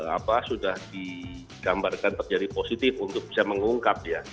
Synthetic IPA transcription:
a̰pasudahdi | ɡ̥ambarkant̪ərd͡ʒadiposit̪ɪfunt̪ʊk̚bisaməŋuŋkap̚dija

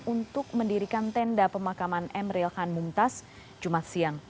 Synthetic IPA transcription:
unt̪ʊk̚məndiɾikant̪ɛndapəmakamanʔɛmɾilhanmumt̪as | d͡ʒumat̪̚siaŋ

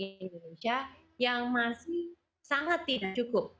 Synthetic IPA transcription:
nd̪onesia | jaŋmasɪh | saŋat̪̚ːidaʔ̚t͡ʃukʊp̚

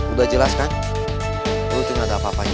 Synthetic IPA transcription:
udad͡ʒəlaskan | ɾut̪iŋadapapaɲ

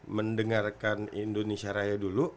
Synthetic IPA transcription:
məndəŋarkanindonesiaɾajadulu

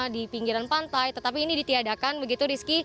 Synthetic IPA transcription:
dipiŋɡiɾanpant̪ajt̪ət̪apiːnidit̪iadakanbəɡit̪uɾiski

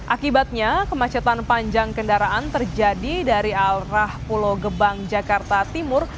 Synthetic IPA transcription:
ʔakibat̪̚ɲakəmat͡ʃat̪anpaɲd͡ʒaŋkəndaɾaʔant̪ərd͡ʒadidaɾialrahpuloɡəbaŋd͡ʒakart̪at̪imʊr

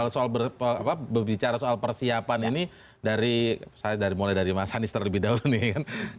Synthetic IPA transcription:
lsoalbəapabərbit͡ʃaɾasoalpərsiapanini | daɾisajadaɾimolɛdaɾimasanɪst̪ərləbɪhdaulnijakan

